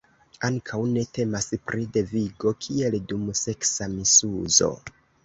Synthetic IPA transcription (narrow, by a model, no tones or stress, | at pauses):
aŋkʰawne̞te̞maspɾʔide̞viɡo̞kʰie̞ldumse̞ksamisuzo̞̰